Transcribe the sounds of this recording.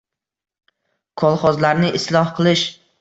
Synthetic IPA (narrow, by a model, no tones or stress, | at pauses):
kʰɒlˠχɒzlaɾnɪʔɪslˠɒhqʰɨlˠɪʃ